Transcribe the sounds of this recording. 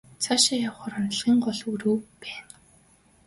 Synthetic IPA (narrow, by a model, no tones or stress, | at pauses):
t͡sʰaʃajawχɔɾɔn̆ɮʁiːŋɢɔɮuɾuːpæːn